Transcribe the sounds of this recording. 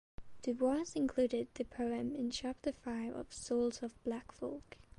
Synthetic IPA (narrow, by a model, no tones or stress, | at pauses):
d̥ɨbwɑzɪ̃nkʰl̥ʉɾɪd̪̚ðɨpʰoʊɛ̃mɪ̃nt͡ʃʰæp̚təfaɪvə̰v̥sɔlˠzəvblækfɔ̰lˠk